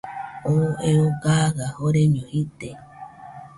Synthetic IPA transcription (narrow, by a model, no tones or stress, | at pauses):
oeoɡaɣahoɾeɲõhit̪e